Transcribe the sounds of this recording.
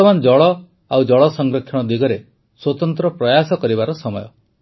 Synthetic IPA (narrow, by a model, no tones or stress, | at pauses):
ɔmanɔd͡ʒɔɭɔ | awd͡ʒɔɭɔsɔŋɡɾokʰjɔɽ̃ɔd̪iɡɔɾe | swot̪ɔnt̪ɾɔpɾɔjasɔkɔɾibaɾɔsɔmɔjɔ